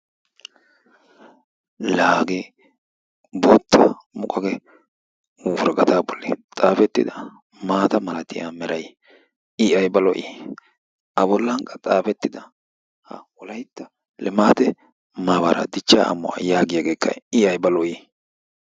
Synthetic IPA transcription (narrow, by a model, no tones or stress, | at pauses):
laːɡe | boːt̪ːɐ̰ | mʊkʼɐɡɛ | wɔɾɡʼɐt̪aːbɔlːḭt̪ʼaːfɛt̪ːɪ̰d̪ɐ | maːt̪ɐmɐlɐt̪ɪja̰mɛɾɐj | ɪɐjbɐlɔʔiː | ʔɐbɔlːɐŋkʼɐt̪ʼaːfɛt̪ːɪd̪ɐ | hɐwɔlɐjt̪ːɐ | lɛmaːt̪ɛ | maːbɐɾɐ̰d̪ɪt͡ʃːa̰ːɐ̰mːʊ̰ɐ̰jaːɡɪjaɡe̞ːkʰːɐ̰ɪɐjbɐlɔʔi